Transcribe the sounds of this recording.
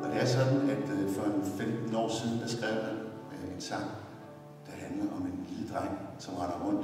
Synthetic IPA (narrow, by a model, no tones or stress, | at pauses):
ɒ̽d̥e̝æɐsɒ̽d̥n̩æd̥fɒ̽enfemd̥n̩ɒ̰ːsiðˠn̩d̥esɡ̥ʁɛð̰də | eensɑ̈ŋ̰ | d̥ɑ̈ɦænlɐʔɒmenliləd̥ʁɑ̈ŋ̰sɒ̽mʁɑ̈nɐʁɔ̽n̰d̥